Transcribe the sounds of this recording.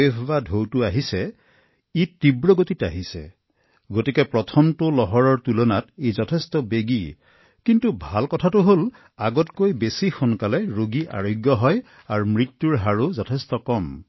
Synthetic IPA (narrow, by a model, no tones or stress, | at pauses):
ebɔbadʱowtʊaɦisɛ | iibɹɔɡotita̰ɦisɛ̰ | ɡotikɛpɹɔtʰɔmtʊlɔɦɔɹɔɹtulɔnatezɔtʰɛstɔbeɡi | kintubʱalkɔtʰatʊɦol | aɡɔtkojbesixɔnkalɛɹoɡiʔa̰ɹojɡjɔɦɔj | aɹumɹitːuɹɦaɹozɔtʰɛstɔkɔm